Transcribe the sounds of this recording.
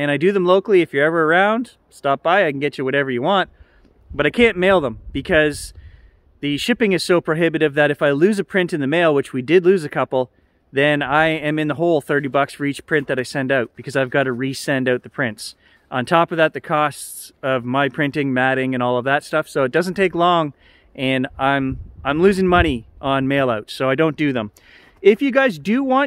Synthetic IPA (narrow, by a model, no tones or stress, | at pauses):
ɨ̃ɾ̃aɪdɨðə̃mloʊkl̩ˠiɨfjə˞ɛvə˞ə˞ãʊ̃nd̥ | stɑp̚b̥aɪaɪkn̩ɡɛt͡ʃɨwʌɾɛvə˞jɨwɑ̃nt̚ | b̥ʌɾaɪkʰæ̃nmeɪlˠðə̃mb̥ɨkʰʌz | ðɨʃɪpɪ̃ŋɨz̥soʊpʰɹ̥oʊɦɪbɨɾɨvðɨɾɨfaɪlʉzɨpʰɹ̥ɪ̃ntɨ̃nðɨmeɪlˠwɨt͡ʃwidɨdˡlʉzɨkʰʌpl̩ˠ | ðɨ̃naɪɨ̃mɨ̃nðəɦoʊlˠθɜ˞ɾibʌksfə˞it͡ʃpʰɹ̥ɪ̃nðɨɾaɪsɛ̃ndaʊt̚b̥ɨkʰʌzaɪvɡɑɾɨɹisɛ̃ndaʊt̪̚ðɨpʰɹ̥ɪ̃nts | ʔə̃ntʰɔpʌvðɨt̪̚ðɨkʰɔstsʌvmaɪpʰɹ̥ɪ̃ntɪ̃ŋmæɾɪ̃ŋɨ̃ñɔlˠʌvðɨtstʌfsoʊɨt̚d̥ʌzn̩tʰeɪklɔ̃ŋ | ʔɨ̃nãɪ̃mãɪ̃mlʉzɪ̃ŋmʌɾ̃iʔə̃nmeɪlˠaʊtsoʊaɪdõʊ̃nd̥ɨðə̃m | ɪfjɨɡaɪzdɨwɑ̃n